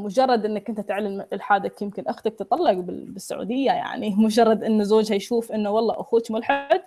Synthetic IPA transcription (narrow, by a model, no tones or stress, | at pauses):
mʊd͡ʒɑrˤːɑd̪ʔɪnːakʔɪnt̪at̪ɪʕlɪmʔɪlħaːd̪akjɪmkɪnʔaxt̪ak̚t̪t̪ˤːɑlːɪɡbɪ̰bɪsːa̰ʕṵːd̪ɪjːaja̰ʕnimʊd͡ʒɑrˤːɑd̪ʔɪnːʊzoːd͡ʒhajʃuːfʔɪnːuwɑlˤːɑ̰ːʔaxuːt̪mʊlħɪd̪